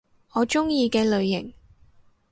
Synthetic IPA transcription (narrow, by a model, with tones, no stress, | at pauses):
ɔː˨˧t͡ʃʊ˥ŋjiː˧kɛː˧lɵ˨˧ɥjɪ˨˩ŋ